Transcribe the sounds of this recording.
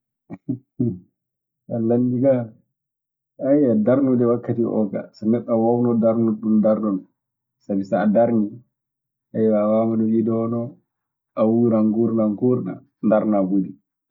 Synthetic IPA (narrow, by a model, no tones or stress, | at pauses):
alandiɡa | ajadaɾnudɛwakːatiʔɔ̰ɡa̰sanɛɗawɔwnɔdaɾnuɗumdaɾnun | sabisaːdaɾni | ʔajwawamadɔjidɔɔnɔ | ʔawuɾaŋɡuɾnaŋɡuɾna̰ | ndaɾnaɡudi